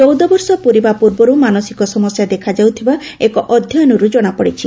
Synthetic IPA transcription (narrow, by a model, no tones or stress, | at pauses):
t͡ʃɔwd̪ɔbɔɾsɔpuɾibapuɾbɔɾumanɔsikɔsɔmɔsjad̪ekʰad͡ʒawt̪ʰibaekɔʔɔd̪ʱjɔjɔnɔɾud͡ʒɔɽ̃apɔɽit͡ʃʰi